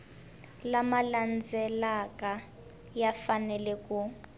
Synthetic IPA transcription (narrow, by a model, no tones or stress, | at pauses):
lamaland͡zʱɛlakʼa | jafanɛlɛkʼu